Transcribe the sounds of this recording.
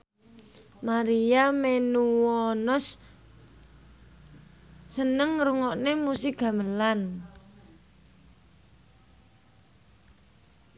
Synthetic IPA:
maɾiamenuwɔnɔs | ənəŋɾuŋɔʔnemusiɡ̥ä̤məlan

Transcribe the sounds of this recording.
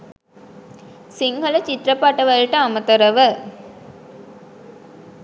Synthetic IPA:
siŋɡɐlɐt͡ʃit̪ɾɐpaʈɐʋɐlʈəamɐt̪ɐɾɐʋə

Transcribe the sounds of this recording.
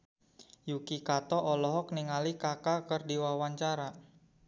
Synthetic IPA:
jukikat̪ɔʔɔlɔɦɔk̚niŋalikakakərdiwawaɲt͡ʃaɾa

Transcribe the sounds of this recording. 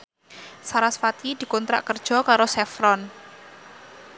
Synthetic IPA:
saɾasfat̪ʰid̪̥i̤kɔnt̪ɾa̰ʔkərd̥ʒ̥ɔ̤kaɾosɛfɾɔn

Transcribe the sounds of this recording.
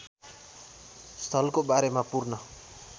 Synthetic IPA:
st̪ʰʌlkobaɾemapurnʌ

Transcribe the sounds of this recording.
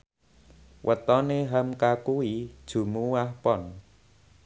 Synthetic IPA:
wʔət̪ɔneɦəmkakuwid̥ʒ̥ṳmuwahpɔn

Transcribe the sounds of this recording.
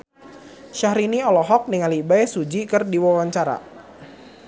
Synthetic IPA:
ʃahɾiniɔlɔɦɔk̚niŋalibaɛsud͡ʒikɨrdiwawaɲt͡ʃaɾa̰

